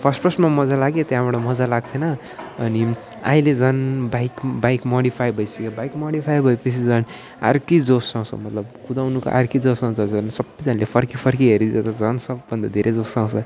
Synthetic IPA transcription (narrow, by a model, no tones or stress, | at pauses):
pʰʌrsʈpʰʌsnmamʌd͡zalaɡet̪jãbʌɽamʌd͡zalaɡ̚t̪ʰenʌː | ni | a̰ĩled͡zʌnbajkbajkmoɽipʰajbʱʌjsekebajkmoɽipʰajbʱʌepʌt͡sʰid͡zʌn | a̰ɾkijd͡zosãw̃t͡sʰʌ̰mʌt̪lʌbkud̪awnuko̰ʔa̰ɾkid͡zʌsãw̃t͡sʰʌd͡zʌnsʌbʌjd͡zanlepʰʌrkipʰʌrkiɦeɾiet̪ʌd͡zʌnsʌbːʌnd̪ʌd̪ʱeɾʔed͡zosãw̃t͡sʰʌ